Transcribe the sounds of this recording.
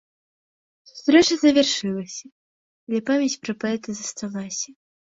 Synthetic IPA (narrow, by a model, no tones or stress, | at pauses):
su̥st̪ɾɛt͡ʂɐzɐvʲarʂɨlˠɐsʲɐ | d̪lʲɛpamʲjat͡sʲpɾɐpaɛt̪ɐzɐst̪avasʲɐ